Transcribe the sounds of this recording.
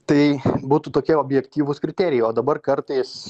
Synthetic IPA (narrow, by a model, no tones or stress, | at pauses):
t̪ɐɪbuːt̪ut̪oːkʲɛoːbʲjɛkt̪ʲiːʋʊskɾʲɪt̪ʲæːɾʲɪjɛɪoːd̪ɐbɐrkɐɾt̪ɐɪs